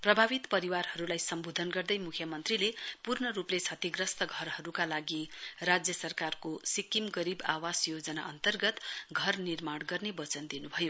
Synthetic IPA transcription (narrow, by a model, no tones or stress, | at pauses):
prʌbʱabit̪pʌɾiwarhʌɾulajsʌmbod̪ʱʌnɡʌrd̪ʌjmukʰjʌmʌnt̪rilepurnʌɾuplet͡sʰʌt̪iɡrʌst̪ʌɡʱʌrɦʌɾukalaɡirad͡zjʌsʌrkarkosikimɡʌɾibawasjod͡zʌnaʔʌnt̪ʌrɡʌt̪ɡʱʌrnirmaɽɡʌrnebʌt͡sʌnd̪inubʱʌjo